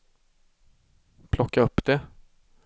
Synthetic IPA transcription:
pʰlɔkːaɵpːd̪̥ɛ

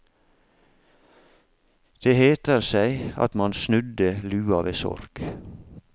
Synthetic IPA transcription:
d̪̥eːheːt̪əɾsæɪɑ̰t̪mɑnsnʉd̪əlʉːɑʋeːsɔ̰ɾk

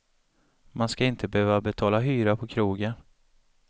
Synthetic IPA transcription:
manskaɪnt̪ʰəbəøːvabɛt̪ʰɑːlaɦyːɾapʰɔkʰɾuːɡən

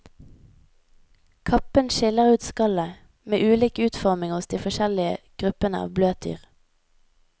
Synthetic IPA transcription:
kʰɑpənʃɪləʁʉːt̪skɑlə | mḛːʔʉːliːkʉːt̪fɔʁmɪŋʊsd̪iːfɔʃɛlɪəɡ̥ʁʉpənə̰ɑ̰ːʋbløːt̪y̰ːʁ

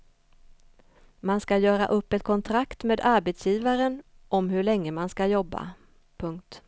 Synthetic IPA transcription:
manskajœːɾa̰ʔɵpːɛt̪̚kʰɔnt̪ʰɾakt̪meːd̪aɾbeːt̪sjiːvaɾən | ʔɔmɦɵɭɛŋːəmanskajɔbːa̰ | pʰɵŋk̚t̪

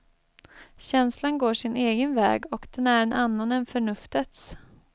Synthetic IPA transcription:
ɕɛnslanɡoːʂɪneːɡənvɛ̰ːɡɔkd̪̥ɛnæɾɛnanːanɛnfœɳɵft̪ət̪s

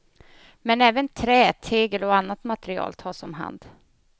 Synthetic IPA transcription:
mɛnɛːvənt̪ʰɾɛːt̪ʰeːɡəlɔanːat̪mat̪ɛɾɪɑ̰ːlt̪ʰɑːʂɔmɦa̰nd̪

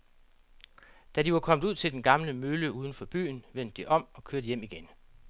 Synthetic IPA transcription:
d̥ædiʋɑ̈kʰɒ̽m̰d̥uð̰ˠt͡sʰe̝ld̥enɡ̥ɑ̈mləmøləuːð̞ˠən̩fɒ̽b̥y̰ːnʋen̰d̥̚ːiʔɒ̽m̰ɒ̽kʰøɐdəjem̰iɡ̥en

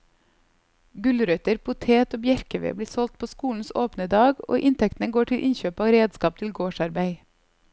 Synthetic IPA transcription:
ɡʉlɾœt̪əɾpʊt̪ʰeːt̪oːbjæɾkəʋḛːbliːsɔlt̪̚pʰoːskuːn̩soːpnəd̪ɑːɡo̰ːʔɪnt̪ʰɛkt̪n̩əɡoːʈʰɪlʔɪnçøːpɑːɾeːd̪skɑːpt̪ʰɪlɡoːʃɑɾbæɪ

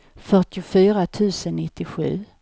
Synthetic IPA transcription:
fœʈɪʊfyːɾat̪ʰʉ̟ːsənːɪt̪ːɪɧʉ̟̰ː

